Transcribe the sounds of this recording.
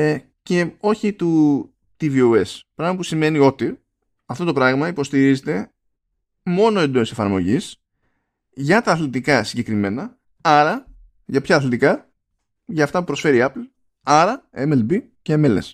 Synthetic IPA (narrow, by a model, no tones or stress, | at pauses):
ce̞o̞çit̪u | t̪iviue̞spɾɐɣmɐpusime̞nio̞t̪i | ɐft̪ot̪o̞pɾɐɣmɐipo̞st̪iɾizet̪e̞ | mo̞no̞end̪oisefɐɾmo̞̰ʝis | ʝɐt̪ɐːθlit̪ikɐsiɲɟe̞kɾime̞nɐ | ɐɾɐ | ʝɐpçɐːθlet̪ikɐ | ʝɐːft̪ɐpupɾo̞sfe̞ɾiɐpl̩ | ɐɾɐemelbi | ceemelḛs